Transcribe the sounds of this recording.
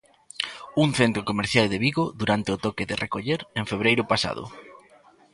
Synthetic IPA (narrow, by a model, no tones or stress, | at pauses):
uŋθent̪ɾokomeɾθjald̪eβiɣoðuɾant̪eot̪ɔkeðɪrʔekoʎeɾẽŋfeβɾejɾʊpasa̰ðʊ̰